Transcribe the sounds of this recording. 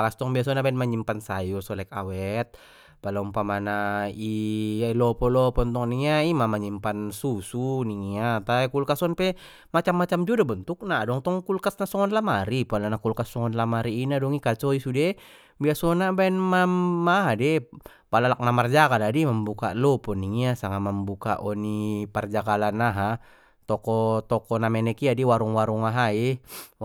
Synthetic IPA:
alast̪ɔŋbiasɔnabaɛnmaɲimpansajɔsɔlɛka̰wɛt̪̚ | palaumpamanaialɔpɔlɔpɔnt̪ɔŋniŋaimamaɲimpansusuniŋiat̪ajkulkasɔnpɛ | mat͡ʃamːat͡ʃamd͡ʒudabənt̪uk̚nadɔŋt̪ɔŋkulkasnasɔŋɔnlamaɾipalanakulkasːɔŋɔnlamaɾiːnadɔŋikat͡ʃɔisudɛ | biasɔnabaɛnmamːaɦadɛ | palalak̚namard͡ʒakaladiməmbuka̰lɔpɔniŋiasaŋaməmbuka̰ʔɔnipard͡ʒakalanaɦa | t̪ɔkɔt̪ɔkɔnamɛnɛkiadiwaɾuŋwaɾuŋaɦai

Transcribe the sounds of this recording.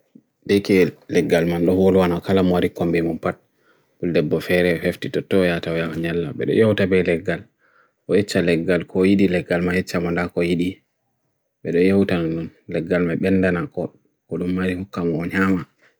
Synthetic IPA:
dɛkɛlɛɡːalmanɗɔhwolwanakalamɔwaɾikombimɔnpat̚ | buldɛbːɔfɛɾɛfeftitɔtːɔjataɔjaʔɔɲalːa̰ɓɛ̰ɗɔ̰jawtabɛlɛɡːal | ʔɔjɛt͡ʃːalɛɡːalkʰɔjiɗilɛɡːalmajɛt͡ʃːamandakɔjiɗi | ɓɛɗɔjawtanɗunlɛɡːalmaɓɛndanakɔ | kɔɗumːaɾihukːamɔːɲaːma

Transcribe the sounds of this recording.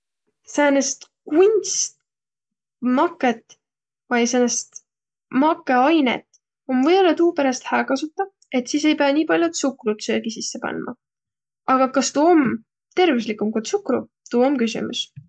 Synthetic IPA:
sæːnest̪kunʲst̪ | mɑkːˑet̪ːˑ | vɑjsenest̪ | mɑkːˑeɑjnḛt̪ | o̞mvɤjbo̞lːɑt̪uːpeɾɑst̪hæːkɑsut̪ːˑɑ | e̞t̪siːs̬e̞jpe̞jɑnʲiːpɑlʲjut̪sukrut̪søːɡ̥isisːe̞pɑ̰nmʔɑ̰ | ɑɡ̥ɑkɑst̪uːom | t̪e̞ɾvislikːˑumkut̪sukɾṵ | t̪uːomkysḭmṵs

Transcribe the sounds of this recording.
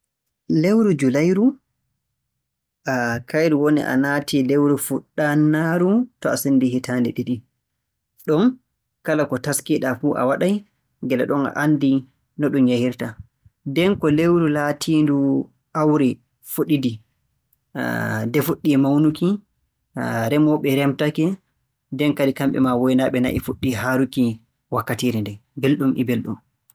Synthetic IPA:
lewɾud͡ʒulajɾu | ʔakʰajɾuwonḭʔa̰natʰilewɾufuɗːanːaɾutɔasindihitaːndɛɗiɗi | ɗɔn | kalakɔtaskiɗafuʔa̰waɗaj | ŋɡɛlɛ̰ɗɔna̰ʔanːdi | nɔɗumjahiɾta | dɛnkɔlewɾulatʰiːndu | ʔawɾɛ | foɗidḭ | dɛfuɗːimawnuki | ɾɛmɔɓɛɾɛmtakɛ | dɛnkadikamɓɛ̰mawɔjnaɓɛna̰ʔifoɗːiɦaːɾuki | wakːatiɾindɛbelɗumʔḭbelɗum

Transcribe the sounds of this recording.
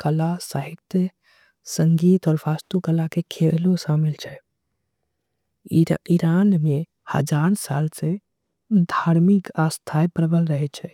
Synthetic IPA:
kəlasaɦikt̪e | səŋɡit̪ɔːɾbast̪ukəlakekʰelosamilt͡ʃʰɛ | iɾanme | hə̰d͡ʒaɾsalse | d̪ʱaɾmikast̪ʰaepəɾbəlɾəɦɛt͡ʃʰɛ

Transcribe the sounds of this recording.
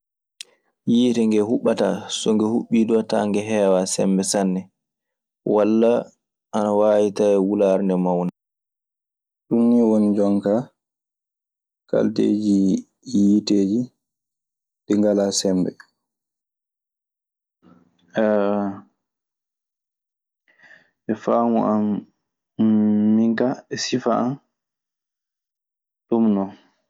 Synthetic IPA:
jiːtɛŋɡɛhuɓːata̰sɔŋɡɛhuɓːidɔta̰ŋɡɛɦɛːwasɛ̰mbɛsanːɛ | walːa | ʔanawaːjitajɛwulaɾndɛmawna | ɗunːiwonid͡ʒɔŋka | ka̰ltḛːd͡ʒi | jiteːd͡ʒi | diŋɡalasɛmbɛ̰ | ɛ | ʔɛfaːmuʔam | iŋkaɛsifaan | ɗumnɔ

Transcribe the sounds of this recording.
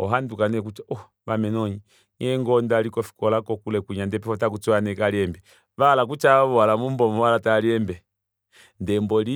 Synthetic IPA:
ɔ̰ɦandukanɛkut͡ʃaɔ | ʋamɛnɔɲi | ɲɛŋɡɔndalikɔfi̥kɔlakɔkulɛkuɲandɛpɛfɔtak̬ut͡suanɛkaɾiɛmbɛ | ʋalak̬ut͡ʃaβɔalamumbɔmwalataɾiɛmbɛ | ndɛmbɔli

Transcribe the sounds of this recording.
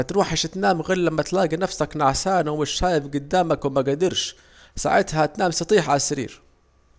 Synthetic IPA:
t̪ɾuːħaʃɪt̪naːmɣɪlːamːat̪laːɡinafsaknaʕsaːnawmɪʃːaːjɪfɡʊd̪ːaːmakwɪmaɡad̪ɪɾʃ | sa̰ʕɪt̪hat̪naːmsɑt̪ˤiːħʕasaɾḭːɾ

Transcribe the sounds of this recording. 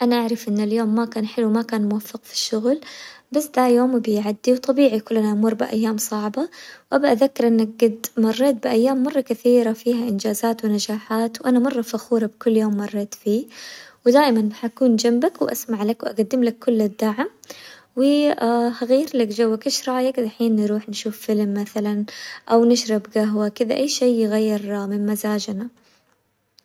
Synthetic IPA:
ʔanaʔaʕɾˤɪfʔɪnːaljoːmːakaːnħɪluwmakaːnmʊwafːɪqfi̥ʃːʊɣlbasːd̪ajoːmbɪjʕad̪ːiwt̪ˤɑbiːʕijkʊlːʔanaʔmʊɾˤbɪʔa̰jːaːmsˤɑʕbɑwʔabaʔaðakːɪɾʔɪnːak̚ɡad̪mɑrˤːeːt̪̚bɪʔajːaːmːɑrˤːɑkaθiːɾafiːɦaʔɪnd͡ʒaːzaːt̪wɪnad͡ʒaːħaːt̪wʔanamɑrˤːɑfaxuːɾˤɑbkʊlːjoːmːɑrˤːɑːt̪fiːwɪd̪aːʔɪmanħaʔakuːnd͡ʒambakwɪʔa̰smaʕlakwʔa̰ɡad̪ːɪmlakʰːʊlːɪd̪ːaʕm | wɪahaɣijːɪɾlakd͡ʒawːakɪʃɾˤɑjaɡɪd̪ʔaħiːnːɾuːħnʃuːfːɪlmːaθalanʔawnɪʃɾˤɑbɡaɦwakɪd̪a̰ʔajːʃeːɪɣajːɪɾmɪnmazaːd͡ʒna

